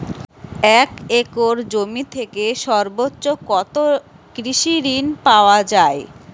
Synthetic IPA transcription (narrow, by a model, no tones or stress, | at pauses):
ɛkekoɾd͡ʑomit̪ʰekeʃɔɾbotːɕokɔt̪o | kɾiʃiɾinpaoad͡ʑae